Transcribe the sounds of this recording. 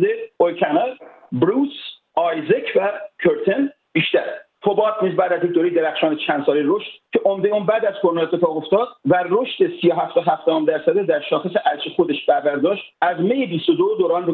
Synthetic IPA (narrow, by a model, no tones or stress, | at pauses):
d̪eojkʰænɑl | bɾuːs | ɑjzekʰvækʰeɾt̪ʰen | b̥iːʃt̪æɾt̪ʰobɒːt̪̚ʰniːzbæːd̪æzjec̚d̪oːɾejd̪eɾæxʃɒːnet͡ʃʰænd̪sɒːlejɾoʃt̪cʰe̞ʔomd̪euːnbæːd̪æzkʰoɾnɑet̪ʰːefɒːɣo̞ft̪ɒːd̪̥væroʃt̪e̞sijoɦæft̪oɦæfd̪ɒɔmd̪æɾsæd̪ed̪æɾʃɒːxeseʔæɾʃexod̪eʃbæɾbæɾd̪ɒːʃt̪ʔæzme̞jebist̪od̪od̪oːɾɒːnɾo